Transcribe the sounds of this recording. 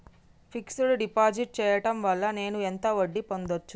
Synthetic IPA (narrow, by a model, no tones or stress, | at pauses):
pʰiksuluɖipaːd͡ʒiʈ̚t͡ʃɛːjɐʈɐmʋɐɭːɐne̞ːnuent̪ɐʋɐɖːipo̞nd̪ot͡ʃːu